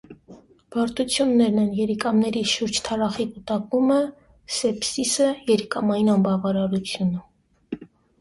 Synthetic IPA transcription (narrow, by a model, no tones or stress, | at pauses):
b̥ɑɾt̪ut͡sʰjunːɛɾnɛnjɛɾikɑmnɛɾiʃuɾd͡ʒt̪ʰɑɾɑχikut̪ɑkumə | sɛpsisəjɛɾikɑmɑjinɑmbɑvɑɾɑɾut͡sʰjunə